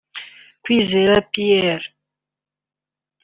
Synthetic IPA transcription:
kwizɛɾapiɛɾ

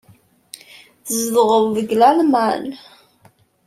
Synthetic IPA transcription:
θzðʁəvvəɡlælmæn

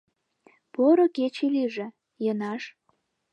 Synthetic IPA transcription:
poɾoket͡ɕiliʒĕ | jənɑʃ

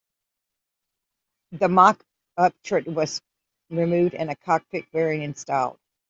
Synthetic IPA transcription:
ðəmɑk | ʌp̚tʰɹ̥ɨt̚wʌz̥ | ɹɨmʉvdɨ̰̃nɨkʰɑk̚tɨk̚vɛɹiɨ̃nstɑ̰lˠd̥

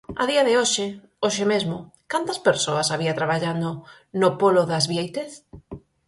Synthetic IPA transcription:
ɐðiɐðɪoʃɪ | oʃɪmezmʊkant̪ɐspeɾsoɐsaβ̞iɐt̪ɾaβaʎand̪ʊ | nopolʊðazβjejt̪eθ

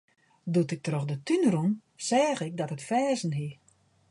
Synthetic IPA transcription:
dutɪk̚troxdətynəɾunsɛːɣɪk̚dɔtətfɛːzn̩ɦi

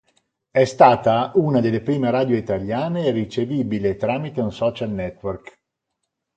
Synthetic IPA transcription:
ɛst̪aːt̪aʔunad̪elːepɾiːmeɾaːd̪joit̪aljaːnerit͡ʃeviːbilet̪ɾaːmit̪eunsɔːt͡ʃalnɛt̪ːwerk

